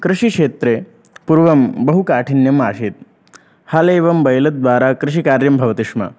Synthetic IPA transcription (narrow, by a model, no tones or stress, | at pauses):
kɾɪʃikʂeːt̪ɾe | puɾʋɐmbɐɦukaːʈʰinjɐmaːʃiːt̪̚ | haleːʋɐmbɐjlɐt̪̚d̪ʋaːɾakɾɪʃikaːɾjɐmbʱɐʋɐt̪ɪʂmɐ̰